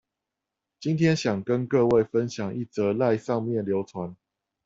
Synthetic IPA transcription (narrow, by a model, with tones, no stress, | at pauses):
t͡ɕi˦nt̪ʰjɛ˦nɕjɑ˨˩ŋkə˦nkɤ˥˧we˥˨ɪfə˦nɕjɑ˨˩ŋi˥˩t͡sə˨˦la˥˧ɪsɑ˥˧ŋmjɛ˥˨nljo˨˧˥ʊt͡sʰwa˨˦n